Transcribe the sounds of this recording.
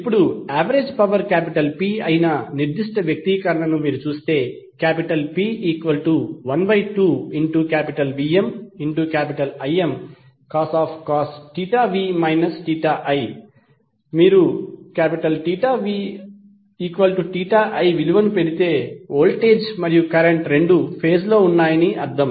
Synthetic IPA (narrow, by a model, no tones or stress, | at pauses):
ipːuɽuaːʋɐɾed͡ʒpɐʋɐɾkaːpiʈɐlpiːɐjinɐniɾd̪iʂʈɐʋjɐk̚t̪ikɐɾɐɳɐnumiːɾut͡ʃuːst̪e̞ː | kaːpiʈɐlpiːiːkʋɐlʈuʋɐnbɐjʈuːiɳʈukaːpiʈɐlbiːemiɳʈukaːpiʈɐlɐjem | kaːsaːpʰkaːsʈiːʈaːʋiːmɐjnɐsʈiːʈaːʔɐj | miːɾukaːpiʈɐlʈiːʈaːʋiː | iːkʋɐlʈuʈiːʈaːʔɐjʋiluʋɐnupe̞ɽit̪e̞ːoːlʈe̞ːd͡ʒmɐɾijukɐɾeɳʈɾe̞ɳɖupʰe̞ːd͡ʒlo̞ːunːaːjɐniʔɐɾd̪ɐm